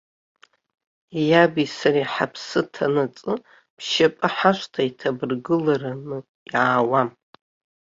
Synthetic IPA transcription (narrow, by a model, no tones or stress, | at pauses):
jabisaɾaħapʰsɨtʰanɨt͡sʼɨ | pʰʃapʼɨħaʃʷtʰaitʰabɨrɡɨlaranɨ | jʕaːwam